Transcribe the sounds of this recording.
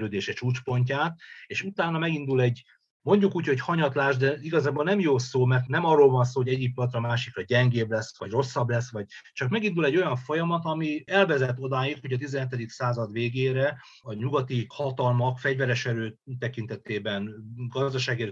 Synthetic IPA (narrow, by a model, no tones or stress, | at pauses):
ɾøːd̪eːʃɛt͡ʃuːt͡ʃpo̞ɲcaːt̪eːʃut̪aːnːɒmɛɡind̪ulɛɟ | mo̞ɲɟukuːcho̞chɒɲɒt̪laːʒd̪ɛiɡɒzaːbolnɛmjoːsoːmɛrt̪nɛmɒrːolvɒns̬oːɦoɟɛɟːik̚p̪ɒt̪rɒmaːʃikɾɒɟɛŋɡeːblɛsʋɒɟro̞sːɒblɛsʋɒɟ̚t͡ʃɒkmɛɡind̪ulɛɟːo̞jɒɱfo̞jɒmɒt̪ɒmiɛlvɛzɛt̪ːo̞d̪aːjit̪ho̞ɟɒt̪izɛnɦɛt̪ɛd̪iksaːzɒd̪ʋeːɡeːɾɛ | ɒɲuɡɒt̪ihɒt̪ɒlmɒkfɛɟvɛɾɛʃɛɾøːt̪ɛkint̪ɛt̪eːbɛnɡɒzd̪ɒʃaːɡiɾ